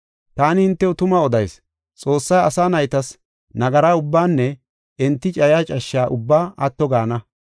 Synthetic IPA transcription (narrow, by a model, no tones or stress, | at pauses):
t̪aːnɪhɪnt̪ːɛʊt̪ʊmɐɔd̪ɐjs | t͡sʼo̞ːsːɐjɐsaːnɐjt̪ɐs | nɐɡɐɾaːʊbːaːnːɛ | ɪnt̪ːɪt͡ʃʼɐjaːt͡ʃʼɐʃːaːʔʊbːaːɐt̪ːɔɡaːnɐ